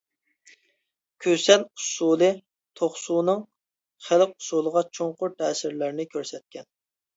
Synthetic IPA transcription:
kʲʰøsɛnusulˠɨ | t̪ʰoχsuːnɨŋ | χælq̚u̥sulˠəʁɑt͡ʃʰoŋqʊɾt̪ʰɛːsɪɾlæɾnɪkʲʰøɾsɛt̪̚kʲɛn

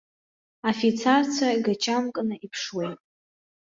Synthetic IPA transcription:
afit͡sʰart͡sʷʰaɡat͡ʃʰʼamkʼnɨipʰʂwejtʼ

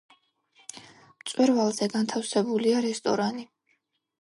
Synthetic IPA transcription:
mt̪sʼwɛɾvalˠzɛɡant̪ʰafsɛbuliaɾɛst̪ʼɔ̰ɾani

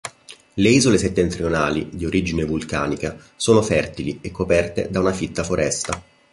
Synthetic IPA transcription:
leiːzoleset̪ːent̪ɾionaːlid̪ioɾid͡ʒinevulka̰ːnika | soːnofɛrt̪iliekːopɛrt̪ḛd̪aunafit̪ːafoɾʔɛst̪a

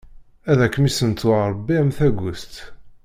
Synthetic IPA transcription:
æðækːəmisənt̪ʊɾˤbːiæmθæɡʷʊst̪

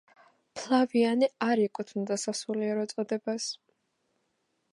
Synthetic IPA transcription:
pʰlˠavianiaɾikʼut̪ʰnd̪asasuliɛɾɔt̪sʼɔd̪ɛbas

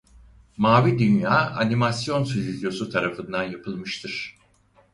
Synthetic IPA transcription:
maːvid̪ynjaːanimasjo̞nsyzizjo̞sut̪ʰaɾafɯnd̪anjapʰɯlˠmɯʃt̪ʰɯɾ̥

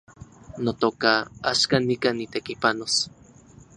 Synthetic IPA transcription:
not̪okaa̰ʃkanikanit̪ekipanos

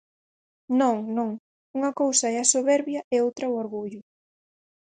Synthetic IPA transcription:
nõŋnõŋ | uŋɐkowsɐɛɐsoβɛɾβjɐʔɛowt̪ɾɐʊoɾɣuʎʊ

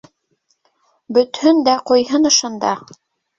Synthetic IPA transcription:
bɵ̆t̪hɵnd̪æqŏjɦɤnɤ̆ʃɤ̆nd̪ɑ

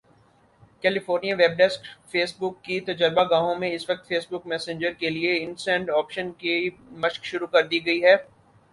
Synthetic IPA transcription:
kɛːlɪfoːɾnijaʋeːb̚ɖɛskfeːsbʊkːit̪ɐd͡ʒəɾbaɡãːɦõmẽɪsʋɐk̚t̪feːsbʊkmɛːsẽːɲd͡ʒəɾkelieɪ̃nsɛ̃ːɳɖɔːpʃənke | mɐʃkʃʊɾukɐɾd̪iɡɐiɦɛː

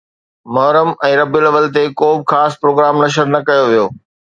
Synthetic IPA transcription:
mɐɦɾəmɛ̃ːɾɐbɪlɐʋəlt̪ekoːbɪxaːspɾoːɡɾaːmnɐʃəɾnɐkɐjoʋijoː

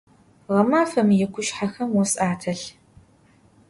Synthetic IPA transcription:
ʁɐmaːfɐmjɛkʷʰʊʃħaxɐmwɔsʼaːtʰɐɬ

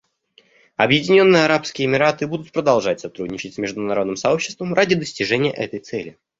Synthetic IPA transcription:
ɐbjɪdʲɪnʲo̞nːɨjəɐɾapskʲɪjəɪmʲɪɾat̪ɨbud̪ʊt̪̚pɾəd̪ɐlˠʐatʲsɐt̪ɾudʲnʲɪt͡ɕɪtʲsʲmʲɪʐd̪ʊnɐɾo̞d̪nɨmsɐo̞pɕːɪ̥st̪vəmrʔadʲɪd̪əsʲtʲɪʐɛnʲɪjə̰ʔɛt̪əjt̪sɛlʲɪ

